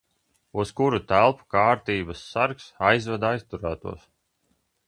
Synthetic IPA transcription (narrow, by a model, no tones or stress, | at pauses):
uskuɾut̪ælˠpu̥kaːɾt̪iːbasːaɾksajzvad̪ajst̪uɾaːt̪ṵɔs